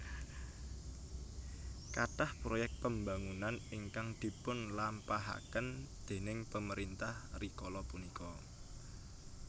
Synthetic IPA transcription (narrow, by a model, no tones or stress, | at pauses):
kaʈahpɾojɛk̚t̪̚pəmba̤ŋunaniŋkaŋd̪̥i̤pʊnlampaɦa̰kənd̪̥e̤nɪŋpəməɾint̪ahrikɔlɔpunikɔ